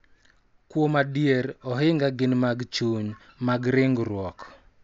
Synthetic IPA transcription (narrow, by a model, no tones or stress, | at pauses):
kwomadjeɾɔɦɪŋɡaɡɪnmaɡt͡ʃuɲmaɡɾɪŋɡɾwɔk